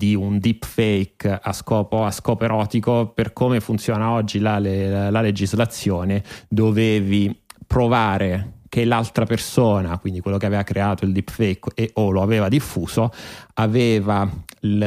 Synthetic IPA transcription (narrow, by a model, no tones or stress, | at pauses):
d̪iund̪ipfɛjkaskɔːpoaskɔːpoeɾɔːt̪ikoperkomefunt̪sjoːnaɔd͡ʒːilalelaled͡ʒizlat̪sːjoːned̪oveːvipɾovaːɾekelalt̪ɾapersoːnakwind̪ikwelːokeaveːvakɾeaːt̪oild̪ipfɛjkeoloaveːvad̪ifːuːz̥oaveːva